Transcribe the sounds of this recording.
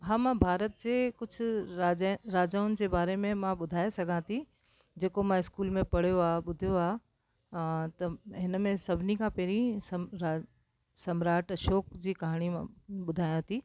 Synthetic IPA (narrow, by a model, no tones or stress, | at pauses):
ɦãːmãbʱaːɾət̪̚d͡ʑeːkʊd͡ʑʱʰʊ̆aːɾaːd͡ʑaːʊnɪ̆d͡ʑeːbaːɾemẽmãɓʊd̪ʱaːesɐɡʱãt̪ʰi | d͡ʑeːkomãɪskuːlmẽpɐɽ̤ijoaːɓʊd̪ʱijoaː | t̪ɐɦɪnmẽsɐbʱɪnikʰãpɛɾĩsɾa | sɐmɾaːʈʃɔːkd͡ʑiːkɐɦaɽ̃ĩɓʊd̪ʱaːjãt̪ʰiː